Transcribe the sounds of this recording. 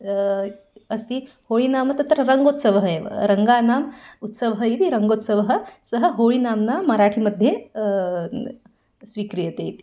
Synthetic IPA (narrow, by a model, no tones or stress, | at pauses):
ɐst̪i | hoːɭinaːmɐt̪ɐt̪ːəɾɾɐŋɡot̪səʋɦəeʋə̰ɾɐŋɡaːnaːmut̪səʋəɦəit̪iɾɐŋɡot̪səʋɦə̆səɦə̆ɦoːɭinaːmnamɐɾaʈʰiməd̪ʱje | sʋikɾijət̪eit̪i̥